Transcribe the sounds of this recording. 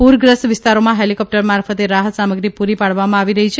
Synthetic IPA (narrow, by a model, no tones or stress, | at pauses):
puɾɡɾəsʋɪst̪aɾomãɦelikɔp̚ʈəɾmaɾfət̪eɾaɦət̪saməɡɾipuɾipaɽʋamãaʋiɾəɦit͡ʃʰe